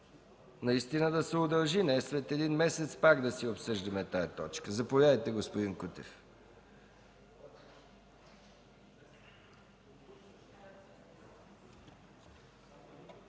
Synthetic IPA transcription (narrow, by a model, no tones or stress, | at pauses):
nɐist̪inəd̪ɐsɛod̪ɐlˠʒinɛsvɛt̪ɛd̪inmɛsɛt̪spaɡd̪ɐsiopsɤʒd̪ɐmɛt̪ajɛt̪ɔt͡ʃkəzɐpovʲadəjt̪ɛɡospʊd̪inkut̪ɛ̰f